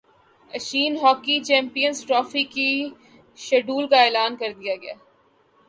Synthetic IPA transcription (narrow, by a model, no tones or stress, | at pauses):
ɐʃiːnɦɔːkit͡ʃɛ̃ːmpijənzʈɾɔːfiki | ʃɛɖuːlkaeːlaːnkɐɾd̪ijaɡɐja̰ː